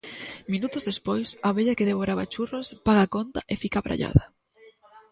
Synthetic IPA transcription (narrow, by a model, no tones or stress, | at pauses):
minut̪ozðespojsaβeʎakeðeβ̞oɾaβat͡ʃurospaɣakont̪aʔefikaβɾʔa̰ʎa̰ðɐ